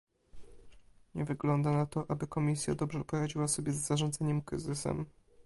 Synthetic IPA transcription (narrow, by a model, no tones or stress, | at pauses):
ɲɛvɘɡlɔnd̪anat̪ɔʔabɘkɔmʲisʲja̰d̪ɔbʐɛpɔɾad͡ʑiwasɔbʲjɛzːaʐɔnd̪zɛɲɛmkɾɘzɘsɛ̰m